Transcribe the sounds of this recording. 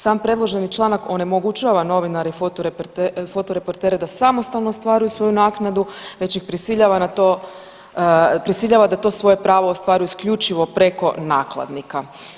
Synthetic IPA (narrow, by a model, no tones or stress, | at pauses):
saːmpɾe̞d̪lˠo̞ʒe̞nit͡ʃlˠaːnako̞ne̞mo̞ɡut͡ʃaʋano̞ʋinaɾefot̪oɾept̪fo̞t̪oɾe̞po̞ɾt̪e̞ːɾe̞d̪asamo̞st̪aʋno̞ost̪ʋaːɾujusʋo̞junaːknad̪uʋet͡ɕixpɾisiʎaʋanat̪o | pɾisiʎaʋad̪at̪o̞ːsʋo̞je̞pɾaːʋoost̪ʋaːɾujuiskʎut͡ʃiʋo̞pɾe̞ko̞naːklˠa̰d̪nika